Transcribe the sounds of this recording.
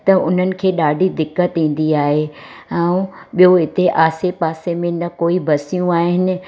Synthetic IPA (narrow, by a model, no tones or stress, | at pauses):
t̪ɐʊn̤ənɪ̆kʰeːɗaːɖʱid̪ɪkːət̪ĩːn̆d̪iaːɦe | ɛ̃ũɓijoɦɪt̪eʔaːsepaːsemẽnɐkoːibɐsijũaːɦɪnɪ̆